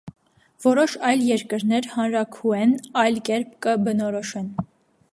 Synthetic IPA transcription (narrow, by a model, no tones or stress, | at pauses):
vɔɾɔʃɑjljɛɾkəɾnɛɾhɑnɾɑkʰuɛnɑjlkɛɾp̚ʰkəbənɔɾɔʃɛn